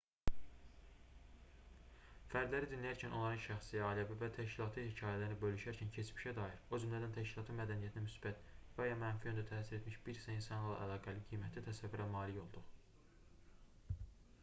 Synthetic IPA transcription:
fæɾd̪læɾid̪inlʲijæɾcʰæno̞nlˠɑɾɯnʃæxsijæɑːlæbivæt̪ʰæʃcilˠɑt̪ʰɯhicʰɑːjælæɾinibølyʃæɾcʰæncʰe̞t͡ʃmiʃæd̪ɑjiɾo̞d͡ʒymlæd̪ænt̪ʰæʃcilˠɑːt̪ʰɯnmæd̪ænijæt̪ʰinæmysbæt̪væjɑmænfiø̞nd̪æt̪ʰæːsiɾe̞t̪miʃb̥iɾisæinsɑnɯlˠɑ̰ʔælˠɑːɡæliɡijmæt̪ʰːæt̪ʰæsævːiɾænmɑːlijo̞lˠd̪u

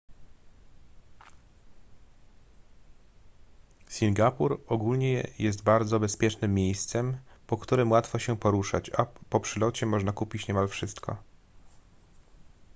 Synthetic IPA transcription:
sʲiŋɡapuɾɔɡulɲɛjɛs̬t̪baɾd̪zɔbɛspʲjɛt͡ʂnɘmːʲjejst̪sɛmpɔkt̪uɾɘmwat̪fɔɕɛpɔɾuʂa̰t͡ɕapɔpʂɘlɔt͡ɕɛmɔʐnakupʲit͡ɕɲɛmalfʂɘst̪kʰɔ̰

